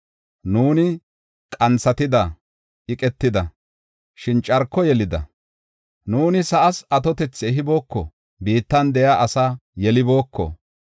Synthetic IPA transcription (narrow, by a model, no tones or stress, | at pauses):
nuːnɪ | kʼɐnt͡sːɐt̪ɪd̪ɐ | ʔɪkʼɛt̪ːɪd̪ɐ | ʃɪnt͡ʃʼɐɾkːɔjɛlɪd̪ɐ̰ | nuːnɪsɐʔɐsɐt̪ɔt̪ɛt͡sːɛɦɪbo̞ːkːɔ̰ | biːt̪ːɐnd̪ɛjaʔɐsajɛlɪbo̞ːkːɔ̰